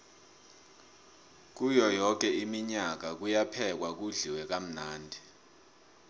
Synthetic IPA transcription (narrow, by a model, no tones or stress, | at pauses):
k̬ujɔjɔk̬ɛimiɲak̬ak̬ujapʰɛk̬wak̬uɮiwɛk̬am̩naːndʱi